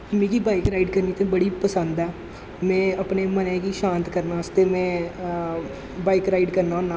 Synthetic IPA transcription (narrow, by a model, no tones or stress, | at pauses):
mẽːkiːbaːikɾaːiːɖkəɾniːt̪ẽːbəɽiːpəsənd̪ɛː | mɛ̃ːəpneːmənɛ̃ːkiːʃãːnt̪kəɾnaːst̪eːmɛ̃ː | baːikɾaːiːɖkəɾnaːonaː